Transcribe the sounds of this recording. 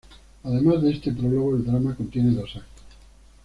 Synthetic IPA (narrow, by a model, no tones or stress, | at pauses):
aðemazðeest̪epɾoloɣoeld̪ɾamakont̪jeneðosakt̪o̥